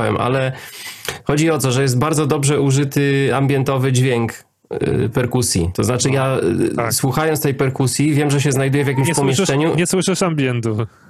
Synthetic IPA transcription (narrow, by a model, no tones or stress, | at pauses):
wɛ̰mʔa̰lɛ | xɔd͡ʑiɔt̪ɔʐɛjɛst̪̚baɾd̪zɔd̪ɔbʐɛuʐɘt̪ɘambʲjɛnt̪ɔvɘd͡ʑvʲjɛŋk | pɛɾkusʲjḭt̪ɔznat͡ʂɘjaswuxajɔnt̪t̪ɛjpɛɾkusʲjivʲjɛmʐɛɕ̬ɛznajd̪ujɛvʲjak̬ʲimɕpɔmʲɛʂt͡ʂɛɲuɲɛswɪʂɨʂambʲjɛnt̪u